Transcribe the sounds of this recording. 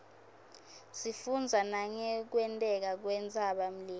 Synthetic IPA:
sifund͡zʱanaŋɛk̬wɛntʼɛk̬ak̬wɛnt͡sʼaɓam̩liː

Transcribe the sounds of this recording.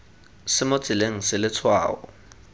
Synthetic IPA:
sɪmot͡sʼileŋ̩sɪlɪt͡sʰwa̰ːɔ̰

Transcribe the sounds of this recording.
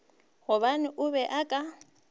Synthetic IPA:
ɣʊβanɪʔʊbɛʔakʼa

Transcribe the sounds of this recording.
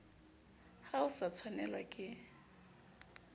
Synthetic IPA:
haʊsat͡sʰwanɛlwakʼɪ

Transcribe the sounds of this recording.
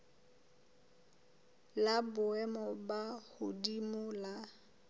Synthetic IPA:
labʊɛmɔbahʊdimʊla

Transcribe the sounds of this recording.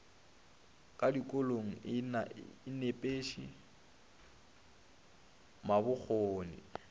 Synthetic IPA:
kʼadikʼʊloŋ̩naːnepʼeːʃḭ | mabʊk͡xʰoːnɪ̰

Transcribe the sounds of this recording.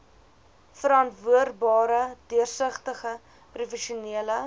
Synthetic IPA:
fəɾɐntvuərbɑːɾədiərsəχtəχə | prufɛʃuniələ

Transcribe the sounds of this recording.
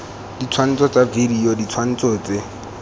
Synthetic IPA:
dit͡sʰwan̩t͡sʼɔt͡savidiɔdit͡sʰwan̩t͡sɔːt͡se

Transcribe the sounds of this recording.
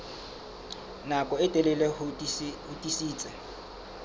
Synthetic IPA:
nakʼɔɪtʼɛlɛlɛh | ʊtʼisiːt͡sʼɛ

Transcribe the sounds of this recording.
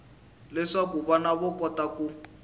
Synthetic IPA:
lɛʂakuβanaβɔkɔtaku

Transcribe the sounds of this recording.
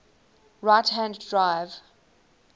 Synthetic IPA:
ɹaɪthæ̃nddɹaɪv̥

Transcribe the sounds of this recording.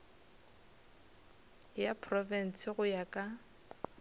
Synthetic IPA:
japʰrɔvɛn̩sɪɣʊjakʼa

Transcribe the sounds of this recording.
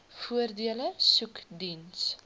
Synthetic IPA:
fuərdiələsʉkdins

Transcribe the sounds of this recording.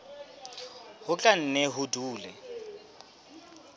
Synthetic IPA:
hʊt͡ɬʼan̩nɛɦʊduːlɛ

